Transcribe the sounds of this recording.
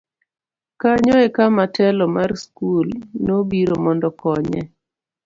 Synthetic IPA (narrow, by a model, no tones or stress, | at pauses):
kaɲɔekamatʰɛlɔmarskulnobiɾomɔndɔkɔɲɛ̰